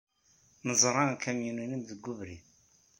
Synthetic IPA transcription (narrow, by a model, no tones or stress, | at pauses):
nəzˤɾˤɑnkæmjinunimðəɡːuvɾi